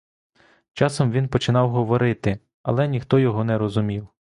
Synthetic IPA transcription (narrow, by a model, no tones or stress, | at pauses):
t͡ʃɑsɔmʋʲinpɔt͡ʃɪnɑwɦɔʋɔɾɪt̪ɪ | ɐ̰lˠɛnʲixt̪ɔjɔɦɔnɛɾɔzʊmʲiw